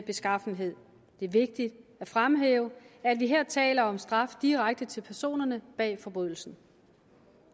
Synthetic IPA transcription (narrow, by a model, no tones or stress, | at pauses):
b̥e̝sɡ̥ɑ̈fn̩ɦe̝ð̰ˠ | d̥e̝æɐʋe̝ɡ̥̚d̥id̥æfʁamɦḛːʊəæd̥ʋiɦeɐ̰t͡sʰɛ̰ːlɐɒ̽msd̥ʁɑ̈fd̥iʁaɡ̥̚d̥ət͡sʰe̝lpʰæɐso̝̰ːnɐnəb̥ɛ̰ːfɒ̽b̥ʁyðˠl̩sn̩